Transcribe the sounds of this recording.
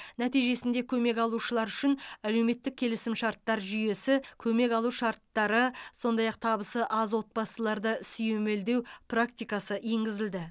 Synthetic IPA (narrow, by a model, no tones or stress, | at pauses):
næt̪ijʒe̞sɪnd̪e̞kʲʰɵme̞kɑlˠuʃəlˠɑɾʏʃɪnæle̞wme̞t̪ːɪk̚kʲʰe̞lɪsɪmʃɑɾt̪ːɑɾʒʏje̞sɪkʲʰɵme̞kɑlˠuʃɑɾt̪ːɑɾəso̞nd̪ɑjɑq̚t̪ʰɑbəsəʔɑzwo̞t̪̚bɑsəlˠɑɾd̪əsʏjeme̞ld̪e̞wprak̚t̪ijkɑsəʔje̞ŋɡʲɪzɪld̪ɪ